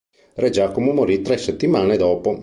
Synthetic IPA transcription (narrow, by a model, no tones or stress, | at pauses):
rɛd͡ʒaːkomomoɾit̪ɾɛsːet̪ːimaːned̪ɔːpo